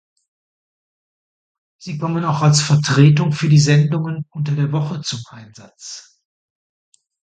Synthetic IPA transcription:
z̥iːkʰɔmənaʊxalsfɛɐtʁ̥eːtʊŋfyːɐdiːzɛndʊŋənʔʊntɐdeːɐvɔχət͡sʊmʔaɪnzat͡s

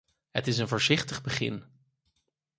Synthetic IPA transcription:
ɦə̰tɪs̬ənvʊːɹzɪχtəχbəχɪ̰n

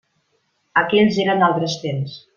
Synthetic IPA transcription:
əkɛʎʲzeɾənalˠt̪ɾəst̪ems

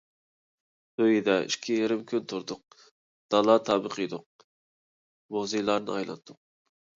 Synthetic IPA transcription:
øjid̪ɛḭʃkʲʰijeɾɪmkʲʰynt̪ʰʊɾd̪ʊq̚ | d̪̥ɑlˠɑt̪ʰɑːbəqʰəjd̪ʊq̚ | mozɨjlˠɑɾnɨ̰ɑjlˠɑ̰t̪ʰːʊq̚

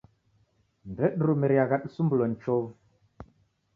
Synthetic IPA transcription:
mbɛɗɾumɛɾjaɣaɗsumblon̩t͡ʃɔv

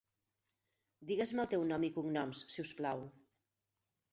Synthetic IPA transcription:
d̪iɣezməlˠt̪ewnɔmikuŋnɔmssiusplaw

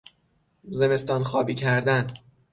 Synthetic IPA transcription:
ze̞me̞st̪ɒːnxɒːbiːcʰæɾd̪æn

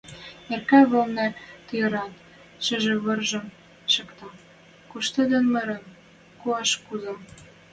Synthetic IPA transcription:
erkæβɤ̆lnæt̪ɤ̆jɤ̆ɾɑn | ʃɘ̆ʒĕβɤ̆rʒɤ̆m | ʃɤ̆kt̪ɑ | kuʃt̪ɤ̆d̪ɤ̆nmɤ̆ɾɤ̆n | kuɑʃkuzɑm

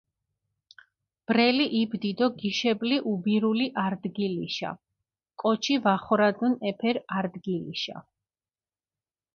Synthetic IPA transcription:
b̥ɾɛliʔibd̪id̪ɔɡiʃɛbliʔubiɾuliʔaɾd̪ɡilḭʃa̰ | kʼɔt͡ʃʰivaχɔɾad̪unɛpʰɛɾaɾd̪ɡilḭʃa̰

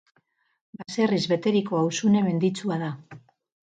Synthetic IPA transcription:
base̞rizβe̞t̪e̞ɾiko̞awsune̞me̞nd̪it͡suaða

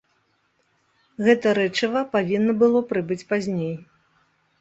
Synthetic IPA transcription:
ɣɛt̪ɐɾɛt͡ʂɐvɐpavʲinːɐbɨlˠɔpɾɨbɨt͡sʲpazʲnʲej

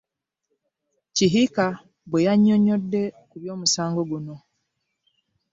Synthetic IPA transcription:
ciɦika | βwejaɲːo̞ɲo̞dːe̞kuβjo̞ːmusaːŋɡo̞ɡuno̞

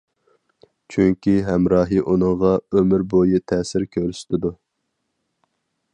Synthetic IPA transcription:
t͡ʃʰyŋkʲiɦɛmɾɑːɦɨʔunɨŋʁɑømyɾbojit̪ʰɛsɪɾkʲʰøɾst̪ʰɪd̪u

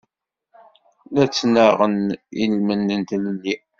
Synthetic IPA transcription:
læt͡sːnəʁənilmənːənt̪lənːi

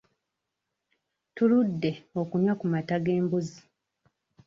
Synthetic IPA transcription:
tuludːe̞o̞kuɲwakumataɡe̞ːmbuzi

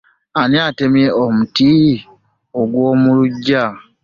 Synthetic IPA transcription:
aniatemjeʔomuti | oɡwoːmuluɟːa

